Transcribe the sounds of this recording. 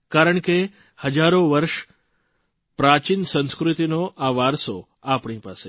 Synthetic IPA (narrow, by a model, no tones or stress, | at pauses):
kaɾəɳ̃ke | həd͡ʒaɾoʋəɾʃ | pɾat͡ʃinsə̃nskɾut̪inoʔaʋaɾso | apɳ̃ipase